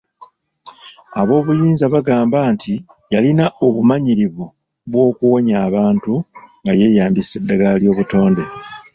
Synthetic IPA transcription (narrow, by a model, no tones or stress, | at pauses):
aβo̞ːβujiːnzaβaɡaːmbaːnti | jalinaʔo̞βumaɲiɾiβu | βwo̞ːkuwo̞ɲaːβaːntuŋɡaje̞jaːmdise̞dːaɡaljo̞ːβuto̞ːnde̞